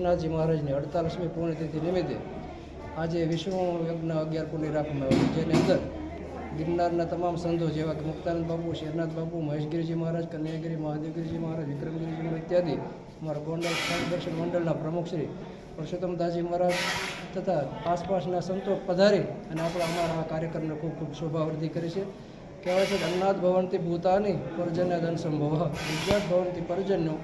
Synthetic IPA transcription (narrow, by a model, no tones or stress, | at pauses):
nat̪̚d͡ʒiməɦaɾad͡ʒniəɽt̪alismikuɳet̪et̪ʰinɪmit̪ḛ | ad͡ʒeʋɪʃʋõjəɡnaəɡjaɾpuɳiɾakʰmeot̪id͡ʒeniənd̪əɾ | ɡɪɾnaɾnat̪əmamsənd̪od͡ʒeʋakemʊkt̪anənd̪bapuʃeɾnat̪̚babuməɦeʃɡɪɾid͡ʒiməɦaɾad͡ʒkənjaɡɾimɐɦad̪iʋɡɪɾd͡ʒiməɦaɾad͡ʒʋɪkɾəmɡɪɾid͡ʒimaɾɪt̪jad̪i | əmaɾaɡɔɳɖəlkad̪əkʃənɡɔɳɖəlnapɾəmukʰʃɾi | pəɾʃut̪əmd̪ad͡ʒiməaɾad͡ʒt̪ʰət̪ʰaaspaʃnasənt̪opəd̪ʱaɾiəneapɽ̃aəmaɭʋakaɾjəkɾəmnekʰub̚kʰubsobʱaʋɾd̪ʱikəɾit͡ʃʰe | kɛʋajt͡ʃʰed̪ənnad̪bʱəʋənt̪ibʱut̪anipəɾd͡ʒənjad̪ʱənsəmbʱəʋaʋɪd͡ʒjat̪̚bʱəʋənt̪ipəɾd͡ʒənjo